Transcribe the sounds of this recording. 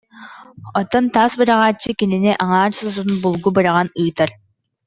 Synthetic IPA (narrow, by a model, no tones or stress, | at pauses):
ɔt̪ɔnt̪aːsbɯɾaʁaːt͡ɕːɯkininiʔaŋaːɾsɔzunbulˠɡubɯɾaʁanɯːt̪aɾ